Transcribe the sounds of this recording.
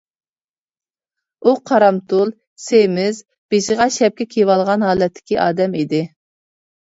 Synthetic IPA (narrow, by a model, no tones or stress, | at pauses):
uqʰɑɾɑmt̪ulˠ | semɪz | b̥ɪʃɪʁɑʃɛp̚kʲɛkʲʰewɑlˠʁɑnɦɑːlˠɛt̪ʰːɪ̥kʲiʔɑːd̪ɛmid̪ɪ